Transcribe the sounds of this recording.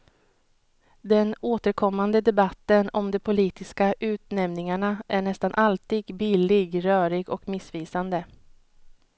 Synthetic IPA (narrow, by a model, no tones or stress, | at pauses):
d̪ɛnoːt̪əɾkʰɔmːand̪əd̪ɛbat̪ːənɔmd̪ɛpʰʊliːt̪ɪskaʔʉ̟ːt̪nɛmnɪŋaɳaʔæɳɛst̪anʔalt̪iːɡbɪlɪɡɾœːɾɪɡɔkmɪsviːsand̪ə